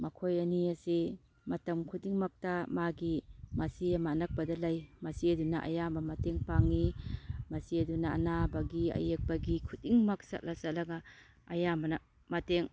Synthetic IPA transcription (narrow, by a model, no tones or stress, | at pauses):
mɐkʰojɐniɐsi | mɐtɐmkʰutiŋmɐk̚tamaɡimɐsiamaːnɐk̚pɐdɐlajmɐsiɐdunaʔa̰jambɐmɐteŋpaŋimɐsiɐduna̰ːnabɐɡiɐ̰jek̚bɐɡikʰut̚iŋmɐk̚sa̰t̚lasat̚lɐɡa | ɐjambɐnɐ | mɐteŋ